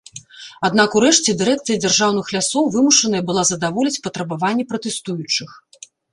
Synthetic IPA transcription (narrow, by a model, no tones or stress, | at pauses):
ad̪nakuɾɛʂt͡sʲɛd̪ɨɾɛk̚t̪sɨjɐd͡zʲarʐawn̪ɨxlʲasɔwvɨmuʂɐnɐjɐbɨlˠazɐd̪avɔlʲit͡sʲpɐt̪ɾɐbavanʲːɛpɾɐt̪ɛst̪ujut͡ʂɨx